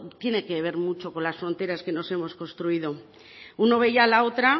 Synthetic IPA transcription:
t̪je̞ne̞keβ̞e̞ɾmut͡ʃo̞ko̞nlasfɾo̞nt̪e̞ɾaske̞no̞se̞mo̞sko̞nst̪ɾuið̞o̞ | uno̞β̞e̞ʝalao̞t̪ɾa

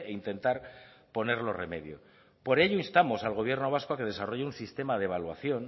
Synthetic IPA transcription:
eint̪e̞nt̪aɾ | po̞ne̞ɾlo̞re̞me̞ðjo̞̰ | po̞ɾe̞ʎoinst̪amo̞salɣ̞o̞β̞je̞ɾno̞β̞askoake̞ð̞e̞saro̞ʝeunsist̪e̞mað̞eβ̞alwaθjo̞n

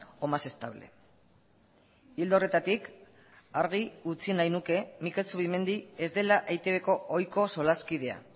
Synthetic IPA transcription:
o̞mase̞st̪aβle̞̰ | ild̪ore̞t̪at̪ik | aɾɣ̞iut͡sinajnuke̞mike̞lsuβime̞nd̪ie̞zd̪e̞laʔejt̪e̞βe̞ko̞ojko̞so̞laskið̞e̞a̰

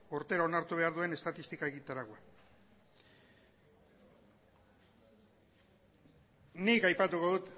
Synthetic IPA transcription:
oɾt̪e̞ɾao̞naɾt̪uβ̞e̞aɾðue̞ne̞st̪at̪ist̪ikaeɣit̪aɾakoa | nikajpat̪uko̞ðut̪

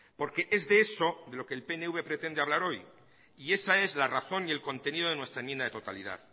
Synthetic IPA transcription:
po̞ɾke̞ʔe̞zðe̞eso̞ðe̞lo̞ke̞ːlpeneuβe̞pɾe̞t̪e̞nd̪e̞aβlaɾo̞j | ie̞sae̞zlaraθo̞nie̞lko̞nt̪e̞niðoe̞nwe̞st̪ɾaemjend̪ðet̪ot̪a̰liða̰ð

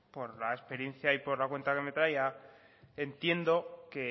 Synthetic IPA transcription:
po̞ɾlaespe̞ɾje̞n̟θjaipo̞ɾlakwe̞nt̪ake̞me̞t̪ɾaja | ent̪je̞nd̪o̞ke̞

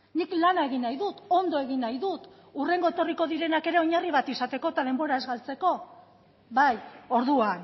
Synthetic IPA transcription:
niklanae̞ɣ̞inajðut̪o̞nd̪o̞e̞ɣ̞inajðut̪ | ure̞ŋɡo̞et̪o̞riko̞ðiɾe̞nake̞ɾe̞o̞ɲariβat̪isat̪e̞ko̞t̪að̞e̞mbo̞ɾae̞zɣalt͡se̞ko̞ | βajo̞ɾðuan

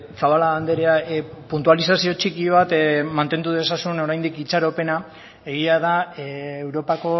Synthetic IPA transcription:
saβalaand̪eɾeapunt̪̬ualisasio̞t͡ʃikiβ̞at̪mant̪e̞nd̪uðe̞sasuno̞ɾajnd̪ikit͡saɾo̞pe̞na | e̞ɣiað̞aewɾo̞pako̞

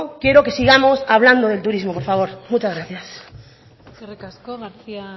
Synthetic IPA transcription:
kjeɾo̞ke̞siɣ̞amo̞saβ̞land̪oðe̞lt̪uɾizmopoɾfaβ̞o̞ɾmut͡ʃazɣɾaθjas | erekaskoɣaɾθia

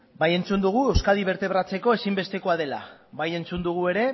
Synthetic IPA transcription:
baje̞nt͡sund̪uɣ̞ue̞wskaðiβ̞e̞ɾt̪e̞βɾat͡se̞ko̞e̞simbe̞st̪e̞ko̞að̞e̞la̰βaje̞nt͡sund̪uɣ̞ue̞ɾe̞

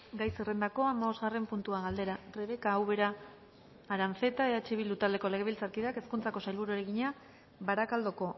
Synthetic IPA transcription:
ɡajserend̪ako̞amaβo̞zɣare̞mpunt̪uaɣald̪e̞ɾareβ̞e̞kaːwβe̞ɾaː | ɾaɱfe̞t̪aeðat͡ʃiβild̪ut̪ald̪e̞ko̞le̞ɣilt͡saɾkiðake̞skunt͡sako̞sajlβuɾoɾeɣiɲa | βaɾakald̪o̞ko̞

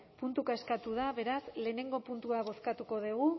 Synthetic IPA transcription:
punt̪ukaeskat̪uð̞aβe̞ɾasle̞ːne̞ŋɡo̞punt̪uaβ̞o̞skat̪uko̞ðeɣ̞u

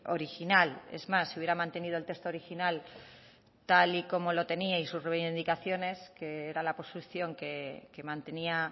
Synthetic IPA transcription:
oɾixinale̞̰zmasːiuβjeɾamãnt̪e̞nið̞olt̪e̞kst̪oɾixinal | t̪aliko̞mo̞lo̞t̪e̞niaisusreβnd̪ikaθjo̞ne̞ske̞eɾalapo̞st̪uθjo̞ŋke̞ke̞mãnt̪e̞nia

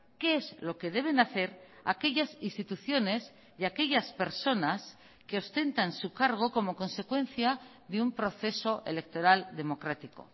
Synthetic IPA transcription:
ke̞ezlo̞ke̞ð̞e̞β̞e̞naθe̞ɾa̰ke̞ʎasist̪it̪uθjo̞ne̞s | jake̞ʎaspe̞ɾso̞nas | keost̪e̞nt̪ansukaɾɣ̞o̞ko̞mo̞ko̞nse̞kwe̞nθja | ðeumpɾo̞θe̞so̞ʔe̞̰le̞k̚t̪o̞ɾald̪e̞mo̞kɾat̪iko̞̰

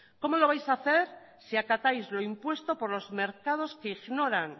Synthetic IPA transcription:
ko̞mo̞lo̞β̞ajsaθe̞ɾ | siakat̪ajzloimpwe̞st̪o̞po̞ɾlo̞zme̞ɾkað̞o̞skeiɣno̞ɾaŋ

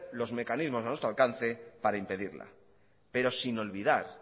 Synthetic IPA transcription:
lo̞zme̞kanizmo̞sanwet̪ɾalkanθe̞paɾaimpe̞ðiɾla̰ | pe̞ɾo̞sino̞lβ̞iðaɾ

